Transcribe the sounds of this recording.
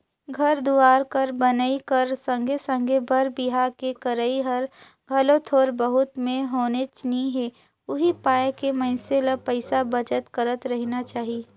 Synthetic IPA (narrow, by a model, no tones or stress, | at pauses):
ɡʱɐɾd̪uaːɾkɐɾbɐnəikəɾsɐ̃ŋɡʱesə̃ŋɡʱebʱəɾbɪɦaːɾkekəɾəiɦɐɾ | ɡʱɐlõt̪ʰoːɾbəɦʊt̪mẽɦoːnet͡ʃniɦe | ʊɦipaːjkemɐ̃ɪseləpəɪsabɐd͡ʒət̪kəɾət̪ɾɐɦnat͡ʃaːɦieː